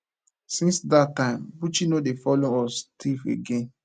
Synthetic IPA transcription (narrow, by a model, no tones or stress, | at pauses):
sĩnsdatːãɪ̃mbut͡ʃinodefɔloɔstʰifḛɡẽn